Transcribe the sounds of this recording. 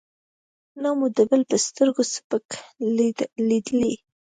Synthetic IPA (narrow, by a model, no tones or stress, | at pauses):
nɑmud̪əbəlpəst̪əɾɡosə̥pək | lid̪əli